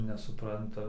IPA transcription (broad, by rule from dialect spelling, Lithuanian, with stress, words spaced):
nʲɛsʊˈprɐntɐ